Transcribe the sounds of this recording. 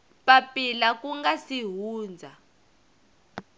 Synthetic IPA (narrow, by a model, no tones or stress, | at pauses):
papilakuŋɡasiɦuːnd͡zʱa